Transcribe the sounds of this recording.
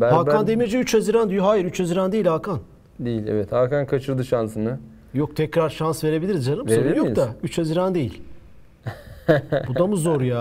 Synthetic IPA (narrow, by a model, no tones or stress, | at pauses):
bæalˠʰand̪emied͡ʒiyt͡ʃʰhaziɾand̪yjuɦaːjiɾyt͡ʃʰaziɾand̪ejilʲalˠkʰan | d̪ejilʲɛ̰vɛt̪ʰaɾkankʰat͡ʃʰɯɾd̪ɯʃansɯnɯ | jok̚t̪ʰɛcɾaɾʃansve̞ɾe̞bilʲiɾizzalˠɯvmseoijokt̪ayt͡ʃʰhaziɾand̪e̞jḭlʲ | bud̪amuzo̞ɾjaː